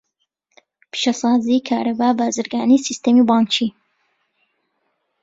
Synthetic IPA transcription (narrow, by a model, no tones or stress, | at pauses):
pʰi̥ʃɛsɑːziːkʰaːɾɐbaːbaːzɨɾɡaːnisist̪emibɑːnt͡ʃʰi